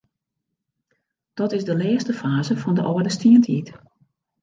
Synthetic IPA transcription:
d̥ɔtɪzdəlɛːstəfaːzəfɔndəʔɔːədəstiəntʰit

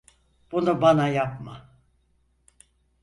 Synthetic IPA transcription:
b̥unubanajapma

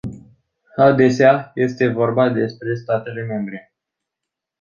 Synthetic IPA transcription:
ad̪e̞seaje̞st̪e̞vo̞rbad̪e̞spɾe̞st̪at̪e̞le̞me̞mbɾe̞

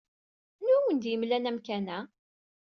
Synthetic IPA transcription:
nuwənd̪jəmlænæmkænæ

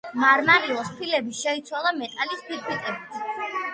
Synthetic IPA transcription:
maɾmaɾilˠɔspʰilɛbiʃɛit̪sʰwalˠamɛt̪ʼalispʰiɾkʰit̪ʼɛbit̪ʰ

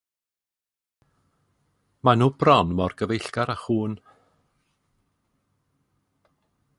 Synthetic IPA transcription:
manuːbrɔnmɔrɡəvejɬɡ̥aɾaχuːn

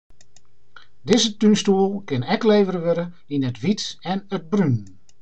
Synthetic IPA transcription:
dɪzətynstuəlˠkɪnɛkleːvəɾəʋɪɾə | inətʋitɛnəd̚bryn

